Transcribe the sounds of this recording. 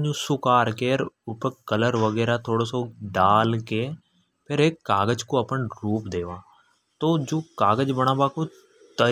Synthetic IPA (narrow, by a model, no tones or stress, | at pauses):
d͡ʒũːsʊkaːɾkeːɾʊpəkələɾʋəɡɛːɾaːt̪ʰoːɽoːsoːɖaːlkeː | pʰɪɾeːkːaːɡəd͡ʒkoːəpəɳɾuːpd̪eːʋãː | t̪oːd͡ʒoːkaːɡəd͡ʒbəɳ̃ãːbaːkoː | t̪ə